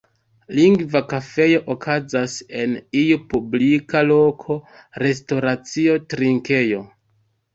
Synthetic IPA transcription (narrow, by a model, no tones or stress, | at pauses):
liŋɡvakafe̞joʔokʰazase̞nijupublikalo̞kʰo̞ | ɾe̞sto̞ɾat͡sio̞tɾiŋke̞jo̞